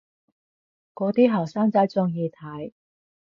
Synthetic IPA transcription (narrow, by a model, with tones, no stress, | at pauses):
kɔː˨˥t̪iː˥ɦɐː˨˩wsaː˥ŋt͡sɐ˨˥jt͡sʊ˥ŋjiː˧t̪ʰɐ˨˥j